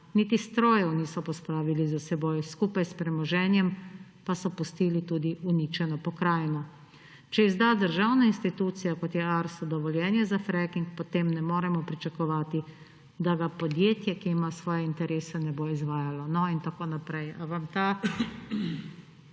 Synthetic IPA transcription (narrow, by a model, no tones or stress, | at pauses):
nit̪ist̪ɾoːjɛwniːsɔpɔspɾaːʋilizasɛboːjskuːpajspɾɛmɔʒɛːnjɛm | pasɔpust̪iːlit̪uːd̪iʔuniːt͡ʃɛnɔpɔkɾaːjnɔ | t͡ʃɛizd̪aːd̪əɾʒawnainst̪it̪uːt̪sijakɔt̪jɛaɾsɔd̪ɔʋɔljɛːnjɛzafɾɛkiŋk̚pɔt̪emnɛmoːɾɛmɔpɾit͡ʃakɔʋaːt̪i | d̪aɡapɔd̪jeːt̪jɛkiːmasʋɔːjɛint̪ɛɾʔeːsɛnɛboizʋaːjalɔnɔint̪akoːnapɾɛjaʋamt̪aː